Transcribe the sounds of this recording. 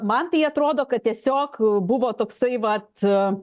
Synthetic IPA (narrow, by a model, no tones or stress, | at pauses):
mɐnt̪ɐɪɐt̪ɾoːd̪oːkɐt̪̚t̪ʲiɛsʲoːkbʊʋoːt̪oːksɐɪʋɐt̪